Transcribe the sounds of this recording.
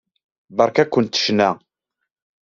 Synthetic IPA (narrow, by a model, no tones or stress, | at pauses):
bɑɾˤkækʷːənt̪ə̥ʃnæ